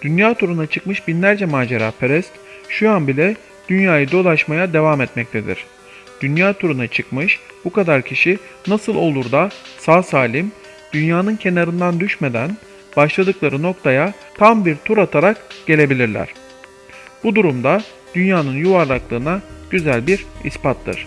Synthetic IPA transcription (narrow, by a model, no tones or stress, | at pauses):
d̪̥ynjaːt̪ʰuɾunat͡ʃʰɯkmɯʃbinlʲæɾd͡ʒɛmaːd͡ʒeɾa̰ːpʰeɾɛst̪ʃuanbilʲɛ | d̪̥ynjaːjɯd̪o̞lˠaʃmajad̪e̞vamɛt̪mɛc̚t̪ʰed̪ḭɾ̥ | d̪̥ynjaːt̪ʰuɾunat͡ʃʰɯkmɯʃb̥ukad̪aɾcʰiʃinasɯlˠo̞lˠuɾd̪asaːsaːlʲim | d̪̥ynjaːnɯncʰe̞naɾɯnd̪and̪yʃme̞d̪æ̰n | baʃlˠad̪ɯklˠaɾɯno̞k̚t̪ʰaja | t̪ʰambiɾt̪ʰuɾat̪ʰaɾakɟ̥e̞lʲe̞bilʲiɾlʲæ̰ɾ̥ | b̥ud̪uɾumd̪a | d̪̥ynjaːnɯnjuvaɾlˠaklˠɯːnaɟ̥yzælʲbiɾḭspat̪ːɯ̰ɾ̝̥